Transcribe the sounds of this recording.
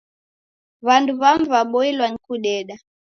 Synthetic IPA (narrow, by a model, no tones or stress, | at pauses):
βanduβamvaɓɔilwaŋikuɗɛɗa